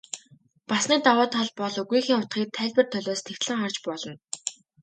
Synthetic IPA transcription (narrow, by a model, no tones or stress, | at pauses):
pasniːt̪awaːt̪ʰɔɮpɔɮɵɣɾiːxiːŋχʊt̪χiːk̚t̪ʰæːɮʲpɘ̆rt̪ʰœɮʲɔːst̪ʰext̪ɮɘ̆ŋχart͡ɕpɔɮɞ̆n